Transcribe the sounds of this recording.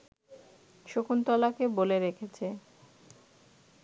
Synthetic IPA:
ʃokʰunt̪ɔlakeboleɾekʰet͡ɕʰe

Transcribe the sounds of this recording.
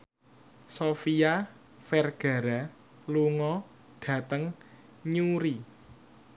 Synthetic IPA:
sofia | fɛrɡ̥a̤ɾa | luŋɔ | ɖ̥ä̤t̪əŋ | ɲuɾi

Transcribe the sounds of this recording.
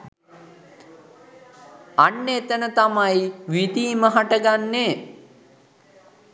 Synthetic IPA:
anːet̪ənət̪amajʋid̪iːməɦaʈəɡanːe

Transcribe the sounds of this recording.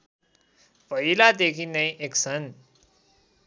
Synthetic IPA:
pʌɦilad̪ekʰinʌj̃ʔeksʰʌn

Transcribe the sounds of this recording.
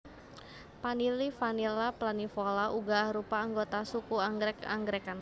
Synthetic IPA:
panilifanilaplanifolaʔuɡahɾupaːŋɡot̪asukuaŋɡɾɛka̰ŋɡɾɛkan

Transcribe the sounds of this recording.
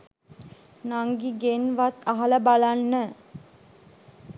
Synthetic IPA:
naŋɡiɡenʋat̪aɦaləbalanːə

